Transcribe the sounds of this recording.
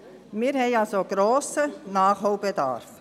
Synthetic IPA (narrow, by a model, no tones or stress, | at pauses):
miːɾhɛɪɑlsoɡɾoːsənɑːχɦoʊbɛda̰rf